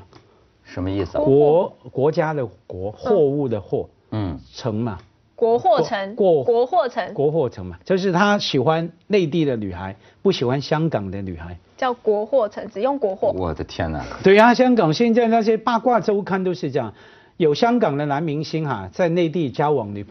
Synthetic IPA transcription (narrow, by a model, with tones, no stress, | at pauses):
ʂə˧˦mə˧i˥˩skɔ˧˥kwɔ˧˥t͡ɕja˥d̪ə˨kwɔ˧˥xwɔ˥˧u˥˩d̪ə˩xwɔ˥˧˥ | ʈ͡ʂʰɤ˧˥ŋmɐ˨ | kwɔ˧˥xwɔ˥˩ə˧˥ŋkwɔ˥˧ɔ˧˥xwɔ˥˩t͡sʰə˧˥ŋkwɔ˧˥xwɔ˥˩ʈ͡ʂʰɤ˧˥ŋmɐ˨t͡ɕjo˥˧ʊʂɻ̩˥˩t̪ʰa˥ɕi˨˩xwa˦nne˥˧ɪt̪i˥˩d̪ə˨ny̰˨˩xa˧˥ɪ | pu˥˩ɕi˨˩xwa˦˥nɕjɑ˥ŋkɑ˨˩ŋd̪ə˦ny˨˩xa˧˦ɪt͡ɕjɑ˥˩ʊkwɔ˧˥xwɔ˥˩ʈ͡ʂʰɤ˧˥ŋt͡sɹ̩˨˩jʊ˥˩ŋkwɔ˧˥xwɔ˥˩wɔ̰˨˩d̪ə˦t̪ʰjɛ̰˥nɐ̰˨t̪we˥˩ɪa˨˦ɕjɑ˥ŋkɑ˨˩ŋɕjɛ˥˧nt͡sa˥˧ɪna˥˧ɕɛ˥pa˥˧kwa˥˧ʈ͡ʂo˥ʊkʰa˥˧nt̪̬o˥ʊʂɻ̩˥˧ʈ͡ʂɤ˥˧jɑ˨˩ŋ | jo˨˩ʊɕjɑ˥ŋkɑ˨˩ŋd̪ə˨˦na˧˥nmi˧˥ŋɕi˥nxa˨t͡sa˥˧ɪne˥˧ɪt̪̬i˥˩t͡ɕja˥wɑ˨˩ŋny˧˩